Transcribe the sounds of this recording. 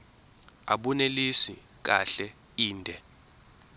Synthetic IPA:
a̰ɓunelisi | k̬a̰ɬɛ | iːndʱɛ

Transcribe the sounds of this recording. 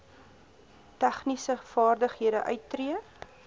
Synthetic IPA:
tæχnisəfɑːrdəχɦiəɾəʔœɥtːriə

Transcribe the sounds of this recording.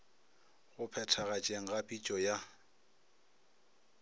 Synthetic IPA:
ɣʊpʰɛtʰaɣat͡ʃʼeŋ̩ɣapʼit͡ʃʼɔja

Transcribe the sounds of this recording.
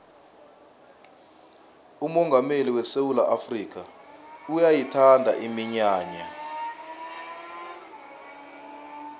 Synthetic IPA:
umɔŋɡʱameliwɛsewulaʔafriːk̬ʰaujajitʰandʱa̰ʔimiɲaːɲa

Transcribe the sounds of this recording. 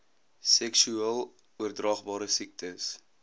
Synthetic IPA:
sɛksyelˠ | uərdrɑːχbɑːɾəsik̚təs

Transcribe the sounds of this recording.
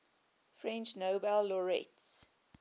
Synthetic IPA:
fɹɛ̃nt͡ʃnoʊbɛlːɔɹɛ̰ts

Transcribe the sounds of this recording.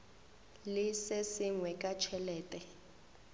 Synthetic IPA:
lɪsesɪŋwɛkʼat͡ʃʰɛlɛːtʼɛ

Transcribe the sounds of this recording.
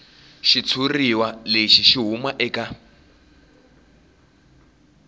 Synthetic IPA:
ʃit͡sʰuriwaleʃiʃiɦumaʔɛka

